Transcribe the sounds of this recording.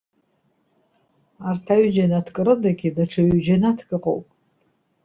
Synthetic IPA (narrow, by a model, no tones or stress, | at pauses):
artʰaɥd͡ʒanatʰkʼɨɾɨdaɡʲidaʈ͡ʂʷʰaɥd͡ʒanatʰkʼɨqʼo̰wpʼ